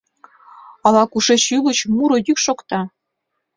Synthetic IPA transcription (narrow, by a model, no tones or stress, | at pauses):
ɑlˠɑkuʂet͡ɕylɤ̆t͡ɕmuɾɤ̆jykʃokt̪ɑ